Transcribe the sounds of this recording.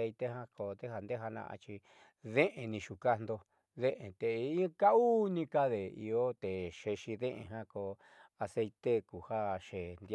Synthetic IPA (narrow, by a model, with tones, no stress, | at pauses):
e˧jt̪e˦ɦã˦ko˧d̪e˦ha˧nd̪e˦ɦa˧nã̰˧ʔa̰˧t͡ʃi˧ | ðẽ˦ʔẽ˧nĩ˧ʃu˨ka˦nd̪o˧ | ðẽ˦ʔẽ˨t̪e˨˧i˦ka˦u˦nĩ˧ka˦ðe˨ḭ˧o˦t̪e˨ʃe˧ʃi˧ðẽ˦ʔḛ̃˧˨ɦã˦ko˧ | a˧se˧jt̪e˦ku˨ha˦ʃe˨nd̪